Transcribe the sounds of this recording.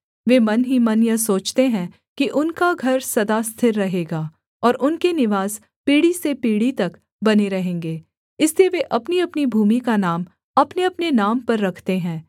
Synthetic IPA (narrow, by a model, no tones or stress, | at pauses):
ʋeːmɐnɦimɐnjəsoːt͡ʃt̪eɦɛ̃ | kiʔʊnkaɡʱɐɾsɐd̪ast̪ʰɪɾːɐɦeːɡaː | ɔːɾʔʊnkenɪʋaːs | piːɽisepiːɽit̪ɐk | bɐneɾɐɦẽːŋɡeː | ɪslieʋeʔɐpniɐpnibʱuːmikanaːm | ɐpneɐpnenaːmpɐɾːɐkʰt̪eɦɛ̃ː